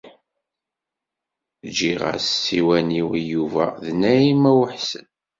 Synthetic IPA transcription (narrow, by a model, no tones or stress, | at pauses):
d͡ʒiʁa̰ssiwæniwjuvæðnæimæwəħsən